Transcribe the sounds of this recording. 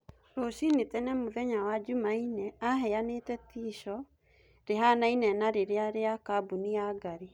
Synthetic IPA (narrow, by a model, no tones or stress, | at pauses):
ɾosinetɛnɛmoðɛɲawad͡ʒumainɛaɦɛjanetɛtiːʃɔ | ɾeɦanainɛnaɾeɾeaɾeakabuniaɡaɾi